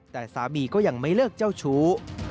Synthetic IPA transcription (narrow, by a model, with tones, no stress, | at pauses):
t̪ɛː˨˩saː˨˦miː˧kɔː˥˩ja˧ŋma˥˩jlɯː˥˩k̚t͡ɕa˥˩wt͡ɕʰuː˦˥